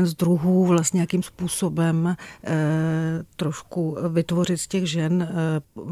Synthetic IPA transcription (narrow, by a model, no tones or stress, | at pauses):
ɛnzd̪ɾuɦuːvlast̪ɲɛjakimspuːsobɛm | t̪ɾoʃkuvɪt̪vo̞rɪt̪scɛɣʒɛn